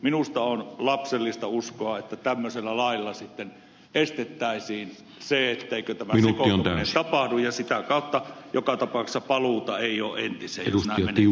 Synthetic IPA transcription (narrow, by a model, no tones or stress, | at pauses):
minust̪ɑonlɑpselːist̪ɑuskoɑet̪ːæt̪æmːøselːælɑˑilːɑsit̪ːen | ʔest̪et̪ːæˑisiːn | seet̪ːeˑikøt̪æmæmisnekoiont̪ænesɑpɑhdujjɑsit̪ækɑˑut̪ːɑjokɑt̪ɑpɑˑuksːɑpɑluˑt̪ɑeˑijo̰ːʔʔent̪isˑejejussnæimen